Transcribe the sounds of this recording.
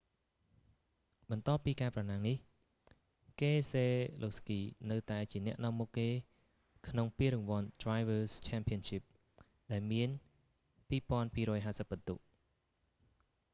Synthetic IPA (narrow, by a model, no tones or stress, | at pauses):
ɓɑnt̪ŏəpːiːkaɛprɑnaːŋnih | keːseːlʔoskiːnɨwt̪aɛt͡ɕiənɛ̆əʔnɔ̆əmːukːeː | kʰnoŋpiəɾʊŋʋŏənt̪rajʋəːst͡ɕʰɛːmpʰiənʃip̚ | ɗaɛlmiən | piːpŏənpiːɾɔːjɦaːsəp̚ːət̪uʔ